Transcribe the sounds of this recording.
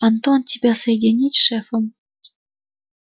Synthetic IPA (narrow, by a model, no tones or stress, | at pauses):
ɑnt̪ont̪ʲibʲesed̪ʲenʲitʲʂefɤ̆m